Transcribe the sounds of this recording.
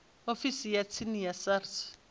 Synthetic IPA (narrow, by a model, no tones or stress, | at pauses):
ofisijat͡sʰinijasars